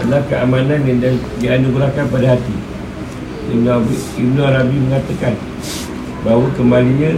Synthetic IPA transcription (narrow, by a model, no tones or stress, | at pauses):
alahkəʔamananjanda | jaanduɡuɾakanpadaɦat̪i | dənabib̚nuɾabiməŋat̪akan | baɦwəkəmbaliɲã